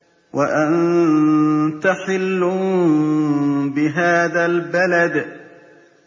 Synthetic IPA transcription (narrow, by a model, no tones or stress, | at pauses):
waʔan | t̪aħɪlːʊ | bɪɦaːðalbalad̪